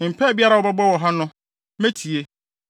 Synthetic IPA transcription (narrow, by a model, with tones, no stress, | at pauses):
m̩˨pʰɛ˦˨bi˦a˦ɾa˨wɔ˦ba˦bɔ˦wɔ˨ɦã˦nʊ̃˦ | mẽ˦tʰi˨e˦